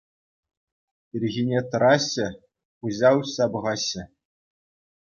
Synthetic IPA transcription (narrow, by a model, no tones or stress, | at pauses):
irʲɣʲinʲet̪ɤ̆ɾɑɕːɘ̆ | uʑɑwɕɑbɤ̆ʁɑɕːɘ̆